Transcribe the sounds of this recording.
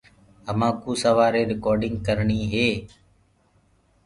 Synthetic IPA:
əmãːkuːsəʋaːɾeːɾɪkɔːɾɖɪŋɡ̚kəɾɳiːɦeː

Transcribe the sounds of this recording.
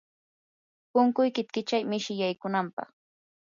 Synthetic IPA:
pʊŋkʊjkɪt̪kɪt͡ʃajmɪʃɪjajkʊnampɑ̰χ

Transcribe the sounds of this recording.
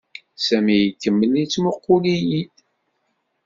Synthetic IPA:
sæmijkːəmːənit͡sːmʊqːʊliji

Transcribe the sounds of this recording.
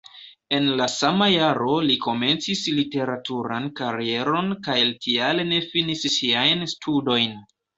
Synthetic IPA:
e̞nlasamajaɾo̞liko̞me̞nt͡sislite̞ɾatuɾankaɾie̞ɾo̞nkajltʰialene̞finissiajnstʰudo̞jn

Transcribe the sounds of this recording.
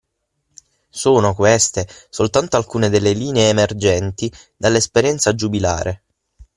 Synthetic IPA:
soːnokwest̪esolt̪ant̪oalkuːned̪elːeliːneeːmerd͡ʒɛnt̪i | d̪alːespeɾjɛnt̪sad͡ʒubila̰ːɾʔe

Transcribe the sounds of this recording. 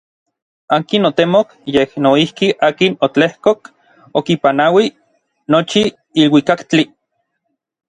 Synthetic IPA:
aːkinot̪emokjehnoihkiʔaːkinot͡ɬehkok | okipanawi | not͡ʃiː | lwikakt͡ɬi

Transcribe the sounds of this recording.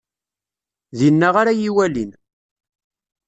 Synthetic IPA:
ðinːaʁaɾajiwælin

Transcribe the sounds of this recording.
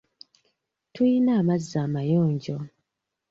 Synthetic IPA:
tujinaːmazːaːmajoːɲɟo

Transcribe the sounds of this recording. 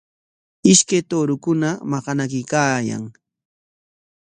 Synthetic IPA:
ɪʃkajt̪oːɾʊkʊnamɑqɑnakɪkaːja̰ŋ

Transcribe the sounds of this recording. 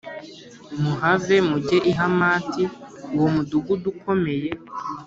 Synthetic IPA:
muɦave̞muɟeʔiɦamaːti | womuduɡudukʰo̞me̞je̞

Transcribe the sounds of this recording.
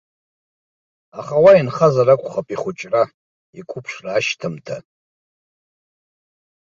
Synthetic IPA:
aχawainχazaɾakʷʼχapʼiχʊt͡ʃʼra | ikʷʰʊpʰʂraːʃtʰɨmtʰa̰

